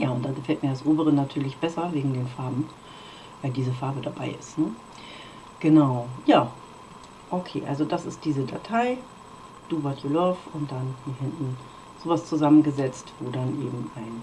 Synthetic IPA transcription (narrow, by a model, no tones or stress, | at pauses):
jaːʊntd̥aːɡəfɛltmiɐdasʔoːbəʁ̞ənatʰyːɐlɪçb̥ɛsɐveːɡŋ̩deːnfaɐbm̩ | vaɪldiːzəfaɐbədabaɪɪ̰stnə | ɡ̥ənaʊjaː | ʔokʰḛːʔa̰lzodasɪst̚d̥iːzəda̰tʰaɪ | d̥uːvatʰjolɔfʊnt̚d̥anmiːɐɦɪntn̩ | z̥oːvast͡suzamənɡəzɛt͡stv̥oːdanʔḛːbm̩aɪn